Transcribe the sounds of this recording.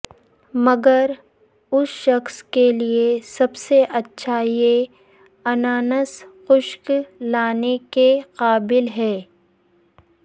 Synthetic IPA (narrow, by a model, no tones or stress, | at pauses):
mɐɡəɾ | ʊsʃɐxskeliesɐbseʔɐtːʃʰaje | ɐnaːnəsxʊʃklaːnekeqaːbɪlɦɛː